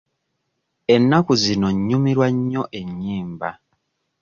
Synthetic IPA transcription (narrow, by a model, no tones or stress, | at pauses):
e̞nːakuzino̞ɲːumiɾwaɲːo̞ʔe̞ɲːiːmba̰